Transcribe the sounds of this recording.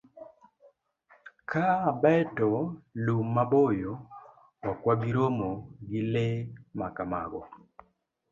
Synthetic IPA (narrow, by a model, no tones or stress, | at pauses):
kʰabɛtɔlumːabojo | wakwabiɾomoɡɪlemakama̰ɡɔ